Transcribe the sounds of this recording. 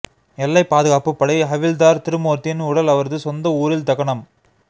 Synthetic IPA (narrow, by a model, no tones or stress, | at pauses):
ɛlːɐɪpːaːðɯɣaːpɯpːɐɽɐɪɦɐʋɪld̪aːɾt̪ɪɾɯmoːɾt̪ɪnʊɽɐlɐʋɐɾðɯsɔnd̪ɐuːɾɪlt̪ɐɣɐɳɐm